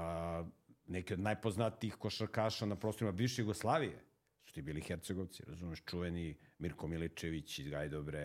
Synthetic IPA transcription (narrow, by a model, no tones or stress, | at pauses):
nɛkiod̪najpo̞znat̪iixkoʃaɾkaːʃanapɾost̪oɾimabiʋʃejuɡoslˠaːʋijḛ | su̥t̪iːbiːlixeɾt̪seɡoʋt̪sḭɾa̰zumeʃt͡ʃuʋenimiɾkomilit͡ʃeʋit͡ɕizɡajd̪obɾe